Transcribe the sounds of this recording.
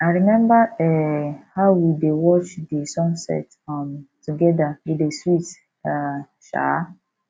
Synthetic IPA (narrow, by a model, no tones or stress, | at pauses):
aɪɾimɛ̃mbaɛhaʊwidewɔt͡ʃdisɔ̃nsɛ̰t | amtuɡɛdawideswit | a | ʃa̰